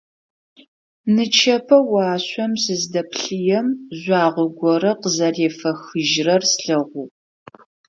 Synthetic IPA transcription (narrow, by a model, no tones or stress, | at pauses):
nɨt͡ʃʰɐpʰɐwɑːɕʷɔmsɨzdɐpɬɨjɛmʑʷɑːʁʷʊɡʷɔɾɐqəzɐreːfɐxɨʒrɐrsɬɨʁʷuː